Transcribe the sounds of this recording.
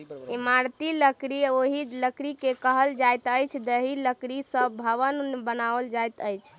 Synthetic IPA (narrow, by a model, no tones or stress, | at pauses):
emaɾt̪iləkɾioɦiləkɾikekəɦəld͡ʒajt̪əjt͡ʃʰd̪əɦiləkɾisəbʱəʋənbənaəld͡ʒajt̪əjt͡ʃʰ